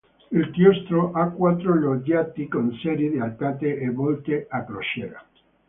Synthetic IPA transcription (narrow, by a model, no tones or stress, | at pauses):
ilt̪jɔst̪ɾoʔakwat̪ːɾoloɡat̪ikonsɛɾid̪ealpat̪eʔebɔlt̪eakɾoʃɛɾa̰